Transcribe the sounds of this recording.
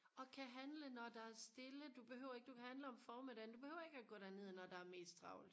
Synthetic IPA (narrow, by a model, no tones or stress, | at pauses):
ɒ̽kʰæɦænlənɒd̥ɑ̈æɐsd̥e̝ləd̥ub̥e̝hø̰ʊ̰ɐe̝ɡ̥əd̥ukʰæhænləɒ̽mfɒːmed̥ɛɪnd̥ub̥e̝høʊ̰ɐe̝ɡ̥æɡ̥ɔ̰ːɾ̥æɐne̝ð̰ˠnɒd̥ɑ̈æɐme̝̰ːsdd̥ʁɑ̈ʊli̥